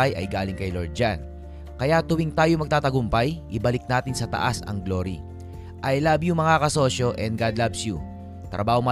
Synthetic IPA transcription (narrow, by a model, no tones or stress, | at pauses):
ajʔɐ̰jɡaːlɪŋkɐjloɹd̪̚d͡ʒan | kɐjat̪ʊwɪŋt̪aːjomɐɡ̚t̪aːt̪ɐɡʊmpɐjʔɪbɐlɪk̚naːt̪ɪnsɐt̪ɐ̰ʔasɐ̰ŋɡlo̞ɾḭ | ʔɐjlabjʊŋmɐŋakɐso̞ʃo̞ʔɛnd̪̚ɡad̪labsju | t̪ɾʔɐ̰baːhomɐ